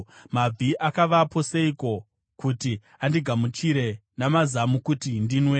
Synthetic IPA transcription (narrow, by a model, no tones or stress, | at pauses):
mab͡vʱiʔakaʋapo̞seiko̞ | kuti | andiɡʱamut͡ʃiɾe̞namazamukutindinwe